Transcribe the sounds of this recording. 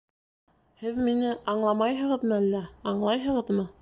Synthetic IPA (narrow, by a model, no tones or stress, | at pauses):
hɘðminɘʔɑɴlˠɑmɑjɦɤ̆ʁɤ̆ðmɤælːæɑɴlˠɑjɦɤ̆ʁɤ̆ðmɤ